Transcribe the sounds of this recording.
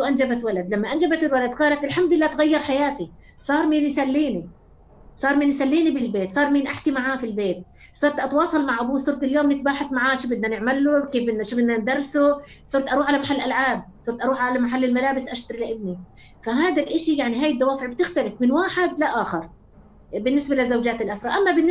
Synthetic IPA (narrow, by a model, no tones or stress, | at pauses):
ʃuʔand͡ʒabat̪walad̪lamːaʔand͡ʒabat̪ɪlwalad̪qɑːlat̪ʔɪlħamd̪ɪlːaːt̪ɣajːɑɾˤħajaːt̪i | sˤɑːɾˤmiːnjsalːiːni | sˤɑːɾˤmiːnjsalːiːnibɪlbeːt̪sˤɑːɾˤmiːnʔaħkimaʕaːfilbeːt̪̚ | sˤɑɾˤt̪ʔɑt̪wɑːsˤɑlmaʕʔabuːsˤʊɾˤt̪ɪljoːmnɪt̪̚baːħaθmaʕaːʃibɪd̪nanɪʕmalːʊkeːfbɪnʃibɪd̪nand̪ɑrˤːɪsʊ | sˤʊɾˤt̪ʔɑɾˤuːħʕalamaħalːlʔalʕaːb̚sˤʊɾˤt̪ʔɑɾuːħʕalamaħalːɪlmalaːbɪsʔaʃt̪ɑɾilɪʔɪb̚ni | faɦaːd̪alʔɪʃijaʕniɦaːjɪd̪ːawaːfɪʕb̚t̪ɪxt̪alɪfmɪnwaːħɪd̪laʔaːxɪɾˤ | bɪnːɪsbalɪzawd͡ʒaːt̪ɪlʔasɾˤɑʔamːabɪnː